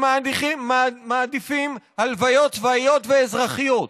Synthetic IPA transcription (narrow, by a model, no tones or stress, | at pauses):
adimaːd̪ifimhalvajo̞t̪vaijo̞t̪veezʁaχijot̪